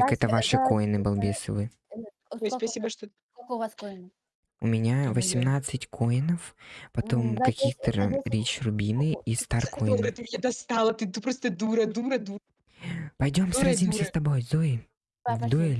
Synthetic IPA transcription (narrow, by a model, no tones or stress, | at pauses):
akɛt̪əvaʂɨko̞ɪnɨbɐlˠbʲesɨ̰vɨ | ojspɐsʲibəʂt̪o | ʊ̰mʲɪnʲavəsʲɪmnat̪sɨtʲkʰo̞ɪnəfpɐt̪o̞mkɐkʲixt̪əɾʲit͡ɕrʊbʲinɨist̪arkʰojɪnɛd̪ɐst̪alˠət̪ɨt̪upɾost̪əd̪uɾɐd̪uɾɐd̪u | pɐjdʲo̞msɾazʲimsʲəst̪ɐbo̞jzoɪ | vd̪ʊɛlʲ